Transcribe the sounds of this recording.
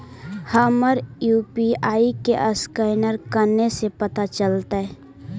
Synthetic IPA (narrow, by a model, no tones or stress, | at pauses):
həməɾjuːpiaːikeʔəskəɪnəɾkəɾnesepɐt̪at͡ʃəlt̪aɦɛ